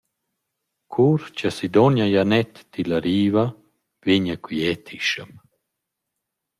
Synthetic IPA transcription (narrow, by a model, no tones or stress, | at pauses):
kʰuɾt͡ʃasid̪ɔnajanɛt̪ːilaɾiːva | viɲakwiɛt̪ʰiʃəm